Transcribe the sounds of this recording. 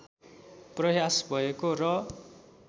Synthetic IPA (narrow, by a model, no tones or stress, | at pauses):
prʌjasbʱʌekorʌ